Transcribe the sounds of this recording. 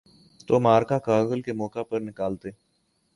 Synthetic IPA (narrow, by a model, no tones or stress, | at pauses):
t̪oːmaːɾkakaːɣəlkemɔːkapəɾnɪkaːlt̪eː